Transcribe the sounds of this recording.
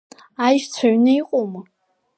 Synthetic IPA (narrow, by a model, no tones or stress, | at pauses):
ajʒt͡sʷʰaɥnɨiqʼomɨ